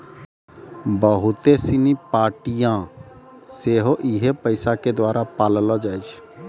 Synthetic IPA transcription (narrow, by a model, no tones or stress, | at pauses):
bəɦʊt̪esinipaːɾʈijã | seːɦoʔɪɦepəɪsaked̪waːɾapaːllad͡ʒaːet͡ʃʰ